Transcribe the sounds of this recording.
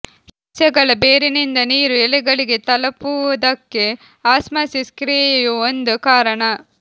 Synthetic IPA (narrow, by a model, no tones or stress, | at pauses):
it͡ʃɐɡɐɭɐbeːɾinind̪ɐniːɾuɛlɛɡɐɭiɡe̞t̪ɐlɐpuʋɐd̪ɐkːe | aːsmɐsiskɾijjuond̪ukaːɾɐɳɐ